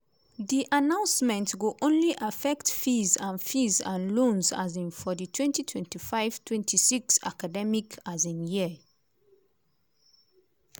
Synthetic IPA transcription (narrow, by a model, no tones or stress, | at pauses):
ðiʔanãʊ̃nsmɛ̃ntwuʔõnliʔafɛktfizãnfizã̰nlõnza̰zĩnfɔditʰwɛ̃ntitʰwɛ̃ntifaɪv̥tʰwɛ̃ntʰisiksa̰kadɛmikʰazĩnjiə